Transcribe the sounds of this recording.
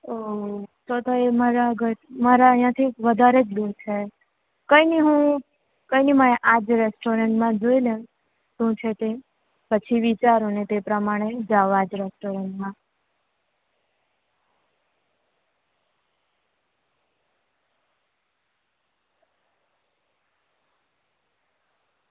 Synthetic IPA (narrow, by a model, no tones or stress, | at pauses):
osot̪oemaɾaəɡəɾmaɾaəɦjãt̪ʰiʋəd̪ʱaɾed͡ʒlut͡ʃʰe | kəiniɦũ | kəjniməneʔad͡ʒɾesʈoɾeɳʈmãd͡ʒoilẽ | ʃũt͡ʃʰet̪e | pət͡ʃʰiʋit͡ʃaɾõnet̪epɾəmaɽ̃ed͡ʒaʋad͡ʒɾɛsʈoɾeɳʈmã